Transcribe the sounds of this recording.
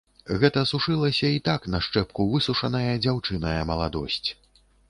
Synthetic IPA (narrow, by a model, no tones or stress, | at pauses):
ɣɛt̪ɐsuʂɨlˠɐsʲɐit̪aknɐʂt͡ʂɛpkuvɨsuʂɐnɐjɐd͡zʲawt͡ʂɨnɐjɐmɐlˠad̪ɔ̰sʲt͡sʲ